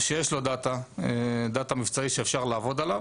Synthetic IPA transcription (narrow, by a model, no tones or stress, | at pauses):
ʃejeʃlo̞d̪at̪aed̪at̪amivt͡saiʃeːfʃaʁlaːvo̞d̪alav